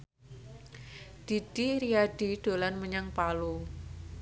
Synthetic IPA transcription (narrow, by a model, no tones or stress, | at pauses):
d̪̥i̤d̥iɾiaɖ̥i̤ɖ̥o̤lanməɲaŋpalu